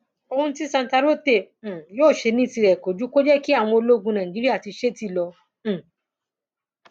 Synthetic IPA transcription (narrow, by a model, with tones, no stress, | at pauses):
o˧hũ˧˦ti˦sã˧n˨ta˧ɾo˦tẽ˦˨joː˦˨ʃe˧nĩ˦˨ti˧ɾɛ˨ko˨˦d͡ʒu˦ko˦d͡ʒɛ˦ki˦a˦˨w̃ɔ̃˧o˧lo˦ɡũ˧nã˨d͡ʒi˦ɾi˦a˦˨ti˧ʃe˦ti˦˨lɔ̃˧˨